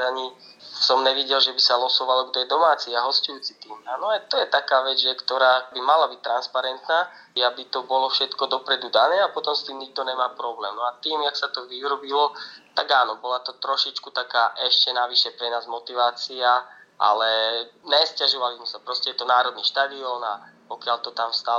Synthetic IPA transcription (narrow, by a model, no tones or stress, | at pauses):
aɲisɔmɲɛʋiɟɛlʒɛbisalɔsɔʋalɔɡd̪ɔjɛd̪ɔmaːt͡siaɦɔscujuːt͡sit̪iːmaːnɔat̪ɔjɛt̪akaːʋɛd͡zʒɛkt̪ɔɾaːbimalabic̚t̪ɾanspaɾɛnt̪naːabit̪ɔbɔlɔfʃɛt̪kɔd̪ɔpɾɛd̪ud̪anɛːapɔt̪ɔmst̪iːmɲiɡ̚d̪ɔɲɛmaːpɾɔblɛːmnɔat̪iːmjaksat̪ɔʋiuɾɔbilɔt̪aɡaːnɔbɔlat̪ɔt̪ɾɔʃit͡ʃkut̪akaːʔɛʃcɛnaʋiʃɛpɾɛnaːzmɔt̪iʋaːt͡siaʔa̰lɛɲɛscaʒɔʋalizmɛsapɾɔscɛjɛt̪ɔnaːɾɔd̪niːʃt̪ad̪iɔna̰pɔkɪalt̪ɔt̪amst̪a